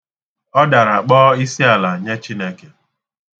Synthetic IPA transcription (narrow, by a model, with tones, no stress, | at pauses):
ɔ˦da˨ɾa˨k͡pɔː˦i˦si˦a˨la˨ɲe˦t͡ʃi˦ne˦ke˨